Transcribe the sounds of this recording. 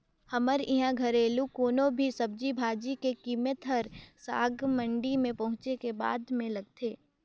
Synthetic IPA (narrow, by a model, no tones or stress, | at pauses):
hɐməɾɪɦãɡʱɐɾeːlukoːnõbʱisɐb̚d͡ʒibʱaːd͡ʒikekiːmət̪ɦəɾsa̰ːɡmə̃ɳɖimẽpɐɦʊ̃t͡ʃekeba̰ːd̪mẽlɐɡ̚t̪ʰeː